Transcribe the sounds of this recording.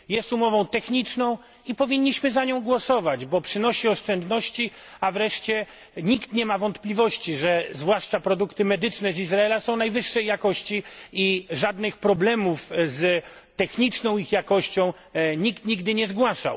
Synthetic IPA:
jɛst̪umɔvɔ̃w̃t̪ɛxɲit͡ʂnɔ̃w̃ | ipɔvʲiɲʲːiɕmɘzaɲɔ̃w̃ɡwɔsɔvad͡ʑbɔpʂɘnɔɕiɔʂt͡ʂɛnd̪nɔɕt͡ɕi | avɾɛʂt͡ɕɛ | ɲikt̪ɲɛmavɔnt̪plʲivɔɕt͡ɕiʐɛzvwaʂt͡ʂapɾɔd̪ukt̪ɘmɛd̪ɘt͡ʂnɛzizɾaɛlasɔ̃w̃najvɘʂːɛjːakɔɕt͡ɕiiʐad̪nɘxpɾɔblɛmufz | t̪ɛxɲit͡ʂnɔ̃w̃ixjakɔɕt͡ɕɔ̃w̃ | ɲikt̪ɲiɡd̪ɘɲɛzɡwaʂa̰w

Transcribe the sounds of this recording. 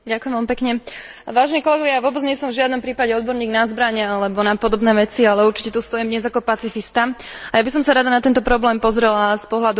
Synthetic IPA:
ɟakujɛmʋɛlmipɛkɲɛ | ʋaːʒɛnikɔlɛɡɔʋjajaʋʊɔbɛd͡zɲɛsɔmvʒɪad̪nɔmpɾiːpaɟɛɔd̪̚bɔɾɲiːɡnazbɾaɲɛalɛbɔnapɔd̪ɔbnɛːʋɛt͡sialɛuɾt͡ʃi̥cɛt̪ust̪ɔjɛmd̪ɲɛzakɔpat͡sifist̪a | ajabisɔmsaɾad̪anat̪ɛnt̪ɔpɾɔblɛːmpɔzɾɛlaspɔɦlad̪u

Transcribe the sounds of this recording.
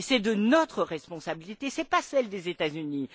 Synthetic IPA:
sɛd̪ənɔt̪χəʁɛspɔ̃sabilit̪esɛpasɛld̪ezet̪azyni

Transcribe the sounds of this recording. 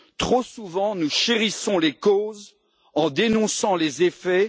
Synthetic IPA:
t̪χosuvɑ̃nuʃeʁisɔ̃lekoz | ɑ̃d̪enɔ̃sɑ̃lezefɛ

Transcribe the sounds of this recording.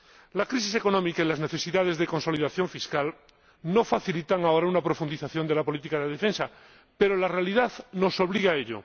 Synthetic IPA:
lakɾis̬ise̞ko̞nõ̞mikailazne̞θe̞siðaðe̞zðe̞ko̞nso̞liðaθjo̞ɱfiskal | no̞faθilit̪aŋao̞ɾaunapɾo̞fund̪iθaθjo̞nd̪e̞lapo̞lit̪ikaðeð̞efe̞nsa | pe̞ɾolarealiðaðno̞so̞βliɣaeʎo̰

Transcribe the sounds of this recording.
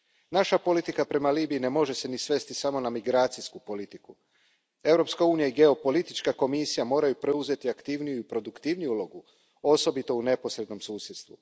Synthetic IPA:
naʃapo̞lit̪ikapɾe̞maliːbiːne̞mo̞ʒe̞se̞nisʋe̞st̪isamo̞namiɡɾaːt̪siskupo̞lit̪iku | e̞vɾo̞pskauːnijaiɡe̞o̞po̞lit̪it͡ʃkako̞misijamo̞ːɾajupɾe̞uze̞t̪iakt̪iʋnijuipɾo̞d̪ukt̪iʋnijuulˠo̞ɡu | o̞so̞bit̪o̞une̞po̞sɾe̞d̪no̞msuːsjet̪st̪ʋu

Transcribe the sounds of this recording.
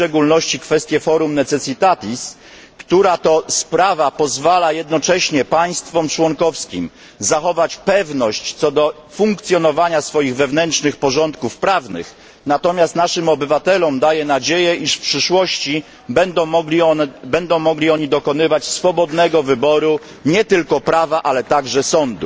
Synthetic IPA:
t͡ʂɛɡulnɔɕt͡ɕikfɛst̪jɛfɔɾumnɛt̪sɛtsɨt̪at̪ʲis | kt̪uɾat̪ɔspɾavapɔzvalajɛd̪nɔt͡ʂɛɕɲɛpaj̃st̪fɔmt͡ʂwɔŋkɔfskʲḭm | zaxɔvat͡ɕpɛvnɔɕt͡ɕt̪sɔd̪ɔ | fuŋkt̪sʲjɔnɔvaɲasfɔjiɣvɛvnɛntt͡ʂnɘxpɔʐɔnt̪̚kufpɾavnɘ̰x | nat̪ɔmʲjast̪naʂɘmɔbɘvat̪ɛlɔmd̪ajɛnad͡ʑejɛʔiʂfpʂɘʂwɔɕt͡ɕi | bɛnd̪ɔɔɡʲibɛnd̪ɔ̃w̃mɔɡlʲiɔɲid̪ɔkɔnɘvat͡ɕsfɔbɔd̪nɛɡɔvɘbɔɾu | ɲɛt̪ɘlkɔpɾavaʔalɛt̪aɡʐɛsɔnd̪u

